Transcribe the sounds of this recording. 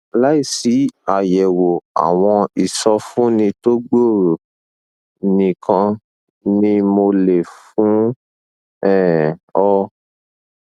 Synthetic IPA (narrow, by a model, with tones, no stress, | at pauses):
la˨˦i˦˨si˨˦a˨jɛ˨wo˨a̰˨w̃ɔ̃˧i˨sɔ˧fũ˦nĩ˧to˦ɡ͡bo˦˨ɾo˨ | nĩ˧kã˧ | nĩ˦mo˧le˨fũ˨˦ | ɛ˦˨ɔ˧